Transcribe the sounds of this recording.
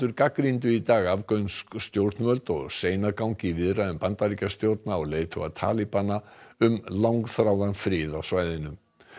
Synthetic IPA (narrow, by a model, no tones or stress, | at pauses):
ʏɾkakɾint̪̬ʏit̪aːɣavkœɥnskːt̪jowɾ̥t̪nvœlt̪ɔɣseːjnakawŋɲcɪivɪðraʏmpant̪aɾicast̪jowɾt̪̚naɔɣleːjt̪ʰɔ̰at̪ʰa̰ːlipanaʏmlawŋkθɾawðanfɾɪːðasvaːjðɪnʏm